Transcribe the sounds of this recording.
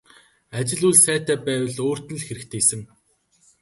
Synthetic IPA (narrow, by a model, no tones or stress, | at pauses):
at͡ɕɪ̆ɮujɮsæːt̪æːpæːwə̆ɮoːr̥t̪ɘ̆ɮxeɾɘ̆kt̪ʰeːisɘ̆ŋ